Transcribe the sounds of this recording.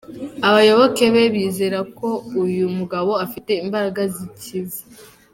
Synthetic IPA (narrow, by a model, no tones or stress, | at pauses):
aβajo̞βo̞ke̞βe̞βiːze̞ɾako̞ujumuɡaβo̞afite̞imbaɾaɡazicʰiβu